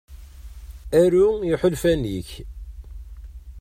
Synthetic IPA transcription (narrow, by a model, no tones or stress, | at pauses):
æɾujiħʊlfæniç